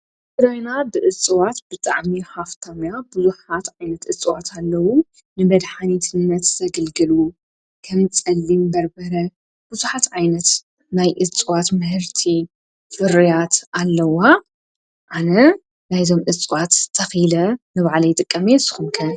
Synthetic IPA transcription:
fɨɾajnabɨʔɨt͡sʼɨwat̪bɨt̪ʼa̰ʕmihaft̪ʰamjabɨzuħat̪ʕajnɐt̪ʔɨt͡sʼːɨwat̪ʰalːɐwu | nɨbɐd̪ħanit̪ʰɨnːɐt̪z̥ɐɡɐlɡɨlu | kʰɐmt͡sʼɐlːimbɐɾbɐɾɐ | b̥ɨzuħat̪ʕajnɐt̪ | najʔɨt͡sʼɨwat̪mɨhɨɾt̪ʰi | fɨɾijat̪alːɐwa | ʔanɐ | najzo̞mʔɨt͡sʼɨwat̪ʰːɐxilɐnɨβaʕlɐjɪt̪ʼɨkʼːɐmesɨ̥xumkʰɐ

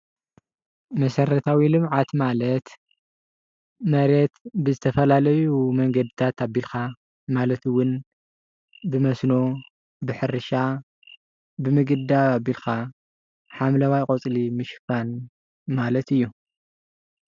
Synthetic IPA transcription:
mɐsɐɾɐt̪ʰawilɨmʕat̪malɐt̪ | mɐɾet̪bɨzɨt̪ʰɐfɐlalɐjumɐŋɡɐd̪it̪ʰat̪ʰabːilxa | malɐt̪ɨwʊn | bɨmɐsno̞ | bɨħɨɾɨʃa | bɨmɨɡɨd̪aabilxa | ħamlɐwajkʼot͡sʼlimɨʃfan | malɐt̪ɨjːu

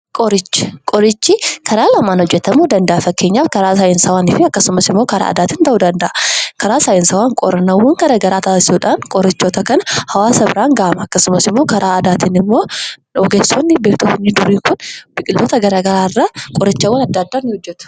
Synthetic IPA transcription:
kʼɔɾɪt͡ʃːkʼɔɾɪt͡ʃːikʰɐɾaːlɐmaːnhɔd͡ʒːɛt̪ːɐmːuːd̪ɐnd̪ɐʔɐfɐkːe̞ːɲːaːfkɐɾaːsajɪnsɐwaːnɪfɪɐkːɐsʊmɐsɪmːo̞ːkɐɾa̰ːɐ̰d̪aːt̪ɪnt̪ɐʔud̪ɐnd̪ɐʔɐkɐɾaːsaːjɪnsɐwaːŋkʼɔɾɐnɐwːɐŋɡɐɾɐɡɐɾaːt̪aːɪ̥suᶑɐnkʼɔɾɪt͡ʃːoːt̪ɐkɐnɐhɐwaːsɐbɪɾaːŋɡaːʔmɐɐkːɐsʊmɐsɪmːoːkɐɾaːɐd̪aːt̪inɪmːoːɔɡeːsonːɪbeːkt̪ʊfɪnːɪd̪ʊɾiːkʊnb̥ɪkʼɪlːoːt̪ɐɡɐɾaːɡɐɾaːrːakʼɔɾɪt͡ʃːɐwːɐnɐd̪ːad̪ːaːnːɪhɔd͡ʒːɛt̪ʊ̥

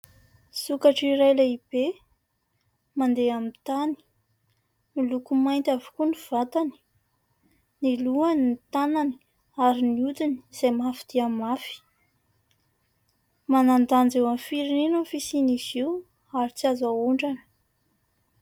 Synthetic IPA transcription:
sukaʈ͡ʂiɾajleib̥e | mand̪eamit̪ani̥ | nilukumajnt̪ʲavu̥kuniv̥at̪ani̥ | niluaninit̪anani̥ | aɾiniut̪ini̥z̥ajmafid̪̥iamafi̥ | manand̪and͡zewamfiɾininanfisiniz̥iw | aɾit͡siazauɳɖ͡ʐanə̥

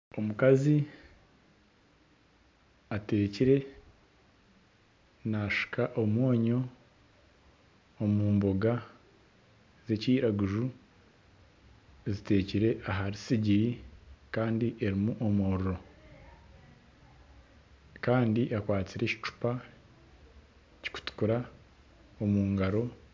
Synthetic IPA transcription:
o̞mukazi | ate̞ːciɾe̞ | naʃi̥kʰaʔo̞mwo̞ːɲo̞ | muːmbo̞ɡa | ze̞ciːɾaɡuʒu | zite̞ːciɾe̞ʔaɦaɾisiɟiɾikaːndiʔe̞ɾimuʔomoɾuɾo̞ | kaːndiʔakwaːt͡siɾe̞ci̥t͡ʃu̥pa | ci̥ku̥tu̥kuɾa | omuːŋɡaɾo̞

